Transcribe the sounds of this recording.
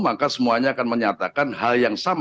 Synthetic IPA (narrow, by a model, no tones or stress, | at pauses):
makasəmuaɲaːkanməɲat̪akanɦaljaŋsam